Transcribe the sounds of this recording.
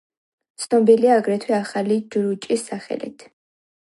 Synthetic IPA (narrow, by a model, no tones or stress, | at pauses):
t̪sʰnɔbiliaːɡɾɛt̪ʰwɛaχalid͡ʒɾut͡ʃʼisːaχɛ̰lḭt̪ʰ